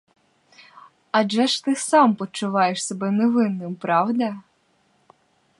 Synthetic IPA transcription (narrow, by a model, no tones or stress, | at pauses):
ɐʒɛʃt̪ɪsɑmpɔt͡ʃʊʋɑjeʃsɔbɛneʋɪnːɪmpɾɑwd̪ɐ